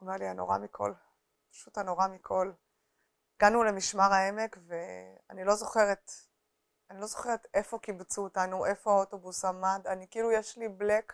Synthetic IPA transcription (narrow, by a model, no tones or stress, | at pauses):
maliano̞̰ʁa̰mikʰo̞̰l | pḁʃutano̞ʁamikʰo̞l | iɡ̥anule̞miʃmaʁae̞me̞kve̞a̰nilo̞zo̞χe̞ʁet | anilo̞zo̞χe̞ʁete̞fo̞kibt͡suːtanuʔe̞fo̞aoto̞busamadanikiilujeʃliblek